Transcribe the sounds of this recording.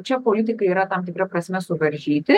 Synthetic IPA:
t͡ʃapolit̪̬ikəjeɾat̪amt̪iɡɾapɾasimɛsuverʒit̪e

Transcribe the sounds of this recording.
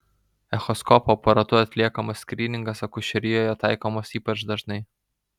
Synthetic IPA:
ɛxɔskɔːpopɐɾɐt̪ʊɐt̪ʲlʲiɛkɐmɐsʲkɾʲiːnʲɪŋɡɐsɐkʊʃʲɛɾʲɪjoːjɛt̪ɑˑɪkomosiːpɐt͡ʃd̪ɐʒnɐɪ

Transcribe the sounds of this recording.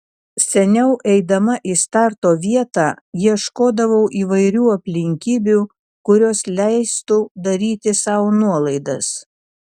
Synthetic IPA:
sʲɛnʲɛʊʔɛɪd̪ɐmɐʔiːst̪ɑˑɾt̪oːʋʲiɛt̪ɑː | jiɛʃkoːd̪ɐʋɐʊʔiːʋɐɪɾʲuːɐpʲlʲɪŋʲkʲiːbʲuː | kʊɾʲoːslʲæɪst̪ʊd̪ɐɾʲiːt̪ʲɪsɑʊnuɔlˠɐɪd̪ɐs

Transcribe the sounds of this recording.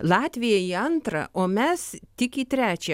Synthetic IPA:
lˠɑːt̪ʲʋʲɪjɛiɐnt̪ɾɐ̰ʔoːmʲɛst̪ʲɪkit̪ʲɾʲæːt͡ʃʲɛ

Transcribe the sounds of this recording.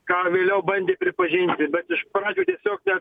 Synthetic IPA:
kɑːʋʲeːlʲɛʊbɐnʲd̪ʲeːpʲɾʲɪpɐʒʲɪnʲt̪ʲɪbʲɛt̪ɪʃpɾɑːd͡ʒʲuːt̪ʲiɛsʲoːknʲɛ

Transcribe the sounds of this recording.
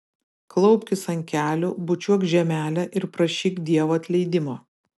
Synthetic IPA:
klˠɐʊpʲkʲɪsɐŋʲkʲæːlʲʊbʊt͡ʃʲuɔkʒʲɛmʲæːlʲɛʔɪɾpɾɐʃʲiːkd̪ʲiɛʋoːɐt̪ʲlʲɛɪd̪ʲɪmoː

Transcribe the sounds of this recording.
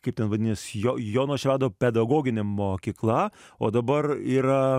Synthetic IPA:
kɐɪpt̪ʲɛnʋɐd̪ʲɪnʲesjojoːnoːʃʲʋʲæːd̪oːpʲɛd̪ɐɡoːɡʲɪnʲemoːkʲiːklˠɐo̰ːd̪ɐbɐɾiːɾɐ

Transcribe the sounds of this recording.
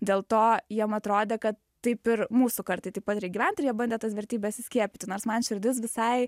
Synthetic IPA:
d̪ʲeːlˠt̪oːjiɛmɐt̪ɾoːd̪ʲeːkɐt̪ː | tɐɪpɪɾmuːsʊkɐɾt̪ɐɪst̪ɐɪpɐt̪ɾʲɛɪɡʲiːʋʲænt̪oːjiɛbɐnʲd̪ʲɛːt̪ɐsʋʲɛɾʲt̪ʲiːbʲɛst̪sʲɪsʲkʲiɛpʲɪt̪ʲɪnoːɾsmɐnʃʲɪɾʲd̪ʲɪsʋʲɪsɐɪ

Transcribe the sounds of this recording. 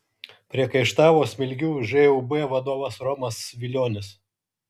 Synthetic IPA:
pʲɾʲiɛkɐɪʃt̪ɑːʋoːsʲmʲɪlʲɡʲuːʒɛubɛʋɐd̪oːʋɐsɾɔmɐsʋʲɪlʲoːnʲɪs

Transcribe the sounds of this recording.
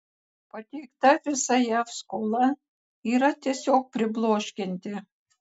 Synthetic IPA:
pat̪ʲekt̪ɑfʲesajɑfskolˠɑ | iɾɑt̪ʲesʲok̚pʲrʲɪblˠoʃkʲenʲd̪ʲĕ

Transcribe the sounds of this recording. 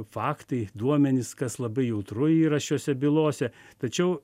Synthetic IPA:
fɑːkt̪ɐɪd̪uɔmʲɛnʲɪskɐslˠɐbɐɪjɛʊt̪rʊiːɾɐʃʲoːsʲɛbʲɪlˠoːsʲɛt̪ɐt͡ʃʲɛʊ

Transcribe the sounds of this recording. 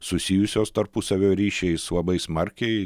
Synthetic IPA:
sʊsʲijʊsʲoːst̪ɐɾpʊsɐʋʲoːɾʲiːʃʲɛɪslˠɐbɐɪsmɐɾʲkʲɛɪ

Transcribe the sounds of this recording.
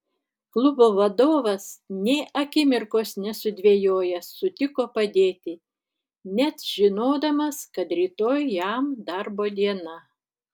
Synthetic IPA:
klˠʊboːʋɐd̪oːʋɐsnʲeːʔɐkʲɪmʲɪɾkoːsnʲɛsʊd̪ʲʋʲeːjoːjɛsːʊt̪ʲɪkoːpɐd̪ʲeːt̪ʲɪ | nʲɛt̪ʒ̥ʲɪnoːd̪ɐmɐskɐt̪ɾʲiːt̪oːjjæmd̪ɐɾboːd̪ʲiɛnɐ

